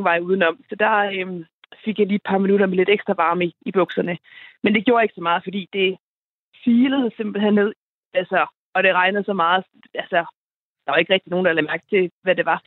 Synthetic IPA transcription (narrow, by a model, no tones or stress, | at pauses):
ʋɑ̈ɪjuð̞ˠn̩ɒ̽m̰sɒ̽d̥ɑ̈øm | fe̝ɡ̥jɑ̈li̥ːpʰɑ̈minuɾɐmele̝d̥eɡ̥sd̥ʁɑʋɑ̈ːmiib̥ɔ̽ɡ̥sɐnəmend̥e̝ɡjo̝ːɐe̝ɡ̥sɒ̽mɑ̈ːð̩ˠfɒ̽d̥ḭːd̥e̝ | fiːləð̩ˠse̝mb̥l̩henːne̝ð̞̰ˠ | ælsə | ɒ̽ɾ̥e̝ʁɑ̈ɪnəð̞̩ˠsɒ̽mɑ̈ːð̩ˠ | ælsə | d̥ɑ̈ʋɑ̈e̝ɡ̥ʁɛɡ̥d̥ino̝ːn̩d̥ɑlæmæɐɡ̥̚t͡sʰe̝ʋæde̝ʋɑ̈